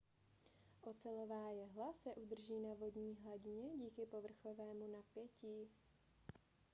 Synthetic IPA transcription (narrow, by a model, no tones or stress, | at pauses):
ʔo̞t͡sɛlovaːjɛɦlasɛʔud̪r̩ʒiːnavo̞dɲiːɦlaɟɪɲɛɟiːkɪpo̞vr̩xo̞vɛːmunapjɛciː